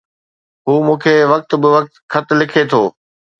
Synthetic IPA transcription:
ɦuːmũːkʰeːʋɐk̚t̪bɪʋɐk̚t̪kʰɐt̪lɪkʰet̪ʰoː

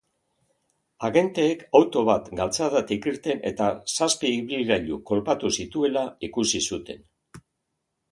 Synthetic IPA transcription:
aɣe̞nt̪e̞ːkʰawt̪o̞βat̪ɡalt͡saðat̪ikiɾt̪e̞ne̞̰t̪asaspik̚biɾaʎuko̞lpat̪usit̪ue̞laikusisut̪e̞n

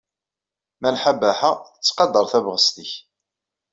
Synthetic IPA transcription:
mænħabæħaət͡sːqɑd̪ːəɾˤθævʁəst̪əç

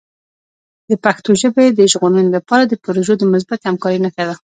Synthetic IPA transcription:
d̪əpaxt̪oʒəbed̪əʒɣonənlapɑɾad̪əpəɾoʒəd̪əmʊs̬bat̪hamkɑɾinakad̪a

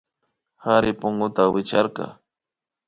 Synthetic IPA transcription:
haɾɪpʊŋɡʊt̪awɪt͡ʃaɾqɑ̰

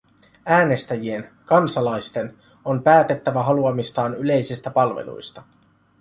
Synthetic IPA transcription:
æːne̞st̪æjie̞nkɑnsɑlɑjst̪e̞n | o̞mpæːt̪e̞t̪ːæʋæɦɑluɑmist̪ɑːnyle̞jsist̪æpɑlʋḛlṵjst̪ɑ

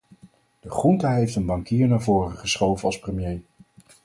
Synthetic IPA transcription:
d̥əχruntaɦejftənbɑŋkiːɹnaːɹvʊːrəχəsχowvənɑlˠsprəmjej

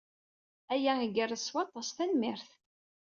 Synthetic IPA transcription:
æjæəɡərəswɑt̪ˤːɑsˤθænmɪɾθ

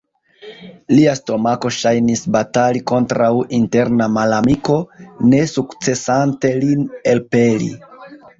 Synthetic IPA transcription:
liasto̞mako̞ʃajnisbataliko̞ntɾawinte̞ɾnamalamiko̞ne̞sukt͡se̞sante̞linelpe̞lḭ

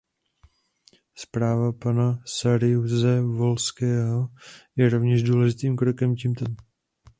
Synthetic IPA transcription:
spɾaːvapanasaɾɪuzɛvo̞lskɛːɦo̞jɛɾovɲɛʒduːlɛʒɪt̪iːmkɾokɛmcimt̪ɛ

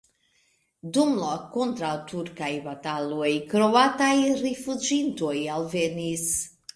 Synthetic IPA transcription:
dumlakont̪ɾawtʰuɾkajbatalojkɾoatajɾifud͡ʒintojalvenis

